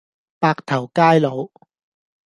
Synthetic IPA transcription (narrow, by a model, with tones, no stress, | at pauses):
paː˧k̚t̪ʰɐ˨˩wkaː˥jlo˨˧w